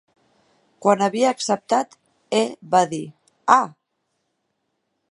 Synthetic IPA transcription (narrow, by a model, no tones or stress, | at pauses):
kwanaβiaːksəp̚t̪at̪ | eβaði | a